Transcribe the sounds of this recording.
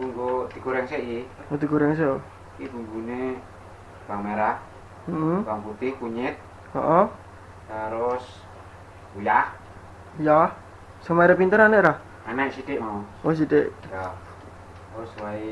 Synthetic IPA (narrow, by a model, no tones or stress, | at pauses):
ɡ̥uŋɡod̪̥i̤ɡ̥oɾɛŋseʔiʔod̪iɡoɾɛŋs̬eʔo | kiɡ̥uŋɡune | b̥aŋmeɾa | m̩ʔm̩waŋput̪ɪhkuɲɪt̪̚ | ɔ̰ʔɔ | taɾʊs | ujah | ja | səŋmaɾɛpint̪əɾaneʔɾah | anɛʔsiɖeʔmaɔos̬iɖeʔja | oswai